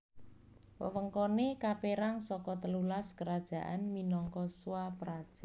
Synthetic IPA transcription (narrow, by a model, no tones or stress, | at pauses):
wə̰wəŋkɔnekapeɾaŋsɔkɔt̪əlulaskəɾad̥ʒ̥ä̤ʔanminɔŋkɔswapəɾad̥ʒ̥a